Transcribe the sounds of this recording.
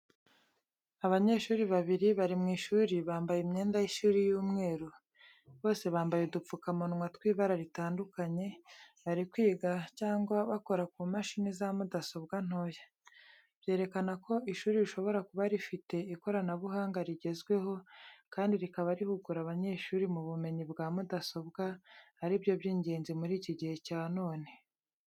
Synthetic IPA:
aβaɲe̞ʃuːɾiβaβiɾiβaɾimŋiːʃuːɾiβaːmbajemɲe̞ːndajiʃuːɾijuːmŋe̞ːɾu | βo̞ːse̞βaːmbajedup͡fukamonŋwatkwiːβaɾaɾitaːndukaɲe̞βaɾikwiːɡacaːŋɡwaβako̞ɾak̚umaʃinizamudaso̞b̚ɡan̥ho̞ja | bje̞ːɾe̞kanako̞iʃuːɾiɾiʃo̞βo̞ɾakuβaɾifite̞iko̞ɾanaβuɦaːŋɡaɾiɟe̞zɡwe̞ho̞kaːndiɾikaβaɾihuɡuɾaβaɲe̞ːʃuːɾimuβume̞ɲibɡaːmudaso̞bɡahaɾibjo̞bjiːɲɟe̞ːnzimuɾiːciɟihe̞caːno̞ːne̞

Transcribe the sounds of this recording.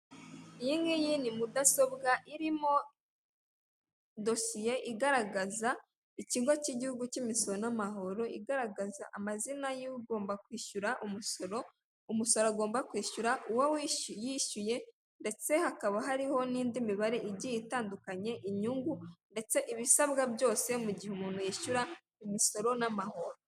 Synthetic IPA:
jiŋɡijinimudaso̞bɡaʔiɾimo̞ | do̞sijeʔiɡaɾaɡaza | iciːŋɡwociɟihuɡucimisoonamaɦo̞ɾo̞ʔiɡaɾaɡazaʔamazinajiɡo̞ːmbakwiːʃuɾaʔumuoo | umuso̞ɾoaɡo̞ːmbakwiːʃuɾaʔuwawijiʃuje̞ | nde̞t͡se̞hakaβaɦaɾiho̞niːndimiβaɾe̞ʔiɟijitaːndukaɲe̞ʔiɲuŋɡunde̞t͡se̞ʔiβisaβɡabjo̞ːse̞muɟihumuːn̥hujiːʃuɾa | imiso̞ɾo̞namaho̞ɾo

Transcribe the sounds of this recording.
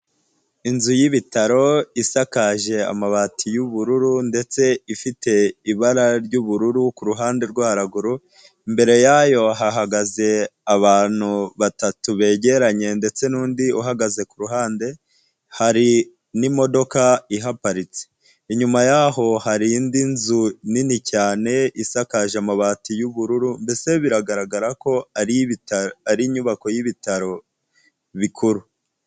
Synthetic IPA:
inzujiβitaɾo̞isakaʒe̞a̰maβatʰijuβuɾuɾunde̞t͡se̞ifitʰe̞iβaɾaɾɟuːβuɾuɾukuɾuɦaːnde̞ɾɡwaːɾaɡuɾu | imbe̞ɾe̞jajo̞ɦaɦaɡaze̞aβaːn̥huβatatuβe̞ːɟe̞ɾaɲe̞nde̞t͡se̞nuːndiuɦaɡaze̞kuɾuɦaːnde̞ | haɾi | nimo̞do̞kaiɦapaɾit͡se̥ | iɲumajaho̞haɾindinzuninicaːne̞isakaʒamaβaːtijuβuɾuɾumbe̞se̞βiɾaɡaɾaɡaɾako̞aɾ | aɾiɲuβako̞jiβitaɾo̞ | βikʰuɾu

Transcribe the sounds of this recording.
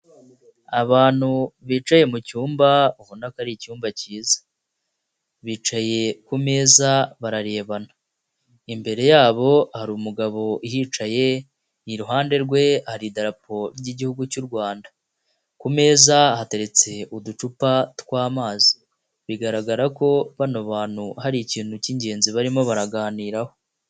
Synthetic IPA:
aβaːn̥huβiːt͡ʃaje̞mucuːmbauβunakaɾicuːmbaciːzḁ | βiːt͡ʃaje̞kume̞ːzaβaɾaɾe̞ːβana | imbe̞ɾe̞jaːβo̞haɾiːmuɡaβo̞ʔiɦiːt͡ʃaje̞ | iɾuɦaːnde̞ɾɡwe̞haɾidaɾapʰo̞ɾɟiɟihuɡucuɾɡwaːnda | kume̞ːzahate̞ɾe̞t͡se̞udut͡ʃupatwaːmaːzi̥ | βiɡaɾaɡaɾako̞βanoβaːn̥huhaɾiciːn̥huciɲɟe̞ːnziβaɾimo̞βaɾaɡaːniːɾaho̞

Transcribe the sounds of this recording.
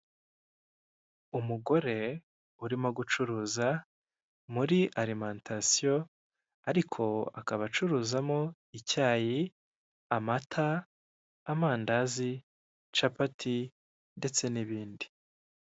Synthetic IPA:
umuɡo̞ɾe̞ | uɾimo̞ɡut͡ʃuɾuːza | muɾiʔaɾimantʰasijo̞ | aɾikʰo̞a̰kaβat͡ʃuɾuːzamo̞ | icaːji | amatʰaː | maːndazi | t͡ʃapatʰi | nde̞t͡se̞niβiːndi

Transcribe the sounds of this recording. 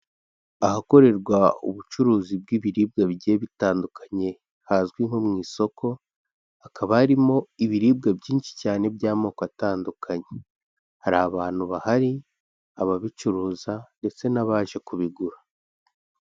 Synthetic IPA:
ahako̞ɾe̞ɾɡwaṵβut͡ʃuɾuːzib̚ɡiːβiɾiːb̚ɡaβɟeːβitaːndukʰḁɲe̞ | hazɡwiŋ̥ho̞mŋiːso̞kʰo̞ | akʰaβaaɾimo̞iβiɾiːb̚ɡabɟiːnʃi̥caːne̞bɟaːmoːkataːndukʰaɲe | haɾaːβaːn̥huβahaɾi | aβaβit͡ʃuɾuːzande̞t͡se̞naβaːʒe̞kuβiɡuɾa

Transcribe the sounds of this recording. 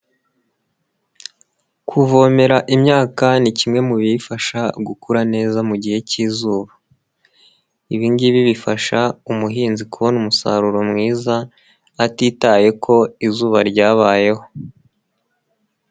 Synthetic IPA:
kʰuvo̞me̞ɾaʔimɲaːkanicimŋe̞muβifaʃaɡukuɾane̞ːzamuɟihe̞ciːzuːβa | iβiŋɡiβiβifaʃaumuɦiːnzikuβonumusa̰ɾuɾo̞mŋiːzaː | tiːtaːje̞kʰo̞izuːβaɾɟaːβaːje̞ho̞

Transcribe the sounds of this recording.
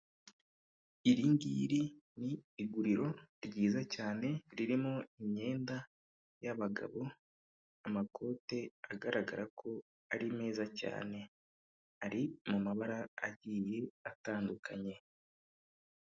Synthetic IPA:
iɾiŋɡḭɾiniːɡuɾiɾo̞ɾɟiːzacaːne̞ɾiɾimoiɲe̞ːnda | jaβaɡa̰βo̞ | amakʰo̞ːte̞aɡaɾaɡa̰ɾakʰo̞ | aɾime̞ːzaca̰ːne̞ | aɾimumaβaɾa̰ːɟiːje̞ataːndukʰaɲe̞

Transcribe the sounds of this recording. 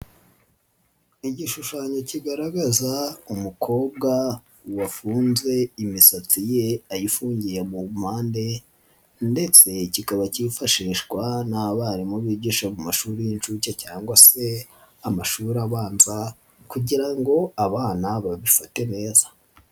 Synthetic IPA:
iɟiʃuʃaːɲo̞ciɡaɾaɡazaumukʰo̞ːb̚ɡa | wafuːnzwe̞imisat͡sije̞ajifuːɲɟijemum̥haːnde̞ | nde̞t͡se̞cikaβacifaʃiːʃɡwanaβaɾimuβiːɟiʃamumaʃuːɾijint͡ʃucacaːŋɡwase̞amaʃuːɾaβaːnza | kuɟiɾaŋɡo̞aβaːnaβaβifate̞ne̞ːzḁ

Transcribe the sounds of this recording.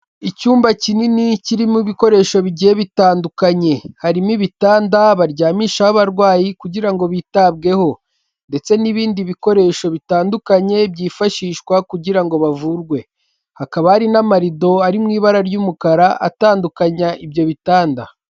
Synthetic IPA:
icuːmbacininiciɾimuβiko̞ɾe̞ːʃo̞βiɟijeβitaːndukaɲe̞haɾimiβitaːndaβaɾɟaːmiːʃahaβaɾɡwaːjikuɟiɾaŋɡo̞βitabɡe̞ho̞ | nde̞t͡se̞niβiːndiβiko̞ɾe̞ʃo̞βitaːndukaɲe̞bjiːfaʃiːʃkwakuɟiɾaŋɡo̞βavuɾɡwe̞ | hakaβahaɾinamaɾido̞aɾimŋiːβaɾaɾjuːmukaɾaʔa̰taːndukaɲaʔibjo̞βitaːnda

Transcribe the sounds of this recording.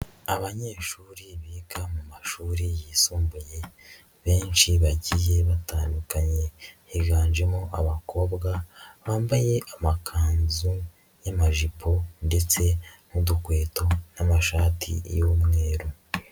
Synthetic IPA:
aβaɲe̞ːʃuːɾiβiːkamumaʃuːɾijiːsuːmbuje̞ | βe̞ːnʃiβaɟije̞βataːndukaɲe̞hiɡaːnd͡ʒemoʔaβakʰo̞ːbɡaβaːmbaje̞ʔamakʰaːnzu | jamaʒiponde̞t͡se̞mudukwe̞ːto̞namaʃaːtʰḭjomŋe̞ːɾo

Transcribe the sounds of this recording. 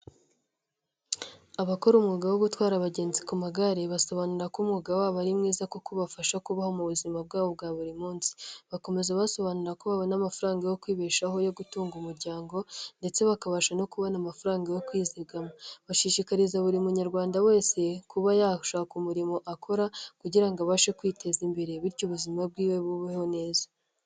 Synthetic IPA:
aβako̞ɾumŋuɡawo̞ɡutwaːɾaβaɟe̞ːnzikumaɡaɾeβaso̞βanuɾakumŋuɡawaːβaɾimŋiːzakokoβafaʃakuβaho̞muβuzimab̚ɡaːβo̞b̚ɡaːβuɾimuːnsi̥βako̞me̞zaβaso̞βanuɾakoβaβonamafaɾaːŋɡajo̞kwiːβeːʃaho̞jo̞ɡutuːŋɡumuɾɟaːŋɡo̞nde̞t͡se̞βakaβaʃano̞kuβanamafuɾaːŋɡajo̞kwiːziɡamoβaʃiʃikaɾizaβuɾimuɲaɾɡwaːndawe̞ːse̞kuβajaʃaːkumuɾimo̞ʔakʰo̞ɾakuɟiɾaŋɡaβaʃekwiːtʰe̞zimbe̞ɾe̞βiɾcuβuzimab̚ɡiːwe̞βuβiho̞ne̞ːzḁ

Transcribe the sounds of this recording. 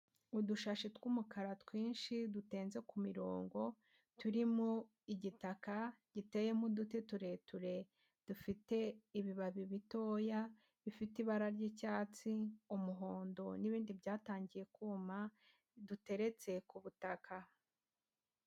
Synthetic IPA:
uduʃaʃetwumukaɾatwiːnʃidute̞ːnze̞kumiɾo̞ːŋɡo̞ | tuɾimu | iɟitakaɟ̥ite̞je̞mudute̞tuɾe̞tuɾe̞ | d̥ufite̞iβiβaβiβito̞ːja | βifitiβaɾaɾɟicaːt͡siumuɦo̞ːndo̞niβiːndibɟaːtaːɲɟije̞kuma | dute̞ɾe̞t͡se̞kuβutakʰa

